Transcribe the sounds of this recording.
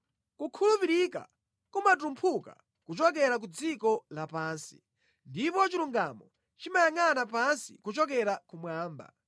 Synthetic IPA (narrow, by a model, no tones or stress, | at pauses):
kukʰulupiɾika̰ | kumat̬umpʰuka̰ | kut͡ʃɔk̬ɛɾak̬ud͡zikɔlapaːnsi̥̰ | ndipɔt͡ʃiluŋɡamɔ | t͡ʃimajaŋanapansikut͡ʃɔk̬ɛɾakumwaːmba̰